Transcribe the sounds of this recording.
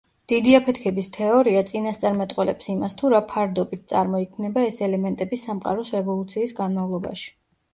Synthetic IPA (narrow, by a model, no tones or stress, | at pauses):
d̪̥id̪iapʰɛt̪ʰkʰɛbist̪ʰɛɔɾiat̪sʼinast̪sʼaɾmɛt̪ʼqʼwɛlɛ̰psimast̪ʰuɾapʰaɾd̪ɔbit̪̚ʰt̪sʼa̰ɾmɔikʰmnɛbaɛsɛlɛmɛnt̪ʼɛbisamqʼa̰ɾɔsɾɛvɔlˠut̪sʰiːsɡanmavlˠɔba̰ʃi̥